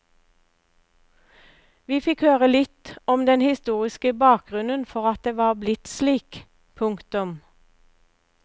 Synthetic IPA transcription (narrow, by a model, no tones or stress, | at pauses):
ʋiːfɪkhøːʁəlɪt̪ɔmd̪ɛnhɪst̪uːʁɪskəbɑːk̚ɡ̥ʁʉnənfɔʁɑt̪̚d̪eːʋɑːblɪt̪sliːk | pʰʊŋkt̪ʊm